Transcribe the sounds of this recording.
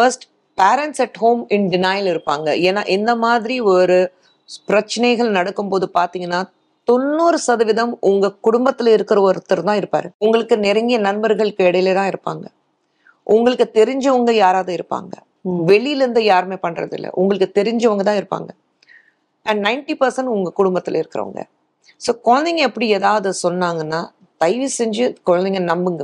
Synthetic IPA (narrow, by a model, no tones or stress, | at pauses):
fɐɾsʈ | paːɾɛɳʈsɐʈhoːmɪnɖɪnaːjlɪɾɯpːa̰ːŋɡɐ̰ʔeːna̰ːʔɪnd̪ɐmaːðɪɾiɔɾɯ | pɪɾɐt͡ʃːɐnɐɪɣɐɭnɐɽɐkːɯmpoːðɯpaːɾt̪iːŋɡɐnːaː | t̪ɔnːuːɾɯsɐðɐʋɪðɐmʔʊŋɡɐkʊɽʊmbɐt̪ːɪlɪɾɯkːɪɾɐɔɾɯt̪ːɐɾɯt̪ãːɪɾɯpːa̰ːɾɯʊŋɡɐɭɯkːɯnɪɾɐŋɡɪjɐnɐnbɐɾɣɐɭɯkːɯɛɽɐjɪleːt̪ãːɪɾɯpːa̰ːŋɡɐ | ʔʊŋɡɐɭɯkːɯt̪ɛɾɪɲd͡ʒɐʋɐŋɡɐjaːɾaːðɯɪɾɯpːa̰ːŋɡɐ | ʋɛɭɪjɪlɪɾnd̪ɯjaːɾmeːpɐɳːrɐ̰ðɪ̰lːɐ̰ʔʊŋɡɐɭɯkːɯt̪ɛɾɪɲd͡ʒɐʋɐŋɡɐt̪ãːɪɾɯpːa̰ːŋɡɐ | ʔɛnnɐɪnʈipɐɾsɐnʈʊŋɡɐkʊɽʊmbɐt̪ːɪlɐɪɾɯkːɪɾɐ̰ʋɐ̰ŋɡɐ̰ | soːkoɻɐnd̪ɪŋɡɐɛpːɐɽieːðaːʋɐðɯsɔnːaːŋɡɐnːaː | t̪ɐɪʋisɛɲd͡ʒɯkɔɻɐnd̪ɪŋɡɐnɐmbɯŋɡɐ